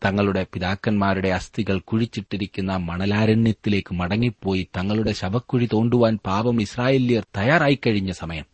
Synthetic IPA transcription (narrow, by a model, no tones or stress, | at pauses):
t̪ɐŋːɐɭuɽe̞piðaːkːɐnmaːɾuɽe̞ɐst̪iɣɐɭkuɻit͡ɕːiʈːiɾikʲːunːɐmɐɳɐlaːɾɐɳjɐt̪ːile̞ːkːɨmɐɽɐŋːipːo̞ːjit̪ɐŋːɐɭuɽe̞ɕɐbɐkːuɻit̪o̞ːɳɖuʋaːnpaːbɐmisraːjeːlijɐrt̪ɐjaːɾaːjikːɐɻiɲːɐsɐmɐjɐm